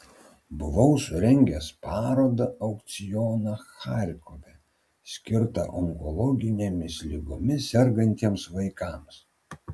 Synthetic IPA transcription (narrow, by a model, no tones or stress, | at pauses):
bʊʋɐʊsʊɾʲɛŋʲɡʲɛspɑːɾoːd̪ɐɐʊkt̪sʲɪjɔːnɐxɑˑɾʲkoʋʲɛ | sʲkʲɪɾt̪ɐ̰ʔɔŋkɔlˠɔɡʲɪnʲemʲɪslʲɪɡʊmʲɪsʲɛɾɡɐnʲt̪ʲiɛmsʋɐɪkɑms